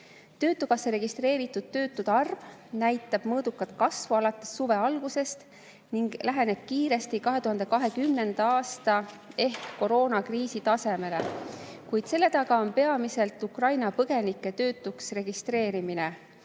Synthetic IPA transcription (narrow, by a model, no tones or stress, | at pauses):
t̪ø̞ːt̪ːˑukɑsːeɾe̞ɡ̥ist̪re̞ːɾit̪ːˑud̪̥̚t̪ø̞ːt̪ːˑud̪̥ɑrvnæjt̪ːˑɑb̥mɤːd̪̥ukːˑɑt̪kɑsvuɑlɑt̪ːˑe̥sːuve̞ɑlɡ̥use̞st̪ | niŋɡ̥læɦene̞b̥kiːɾe̞st̪ikɑɦe̞t̪uɦɑnd̪̥e̞kɑɦe̞kymne̞nd̪̥ɑɑːst̪ɑ | e̞hkːo̞ɾo̞ːnɑkriːsit̪ɑse̞me̞le̞ | kujd̪̥se̞lːe̞t̪ɑɡɑo̞npe̞ɑmise̞lt̪ukrɑjnɑpɤɡ̥e̞nikːˑe̞t̪ø̞ːt̪ˑːuksre̞ɡ̥ist̪re̞ːɾimine̞